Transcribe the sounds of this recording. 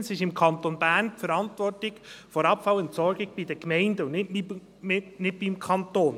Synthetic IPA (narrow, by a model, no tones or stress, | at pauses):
sɪʃɪmkʰɑntonbæːrnpfəɾɑntʋɔrtɪɡfɔɾɑpfɑwʊntsɔɾɡɪɡ̥b̥idəkmɛɪndəʊnnɪt | nɪt̚b̥ɪmkʰɑnt̪oːn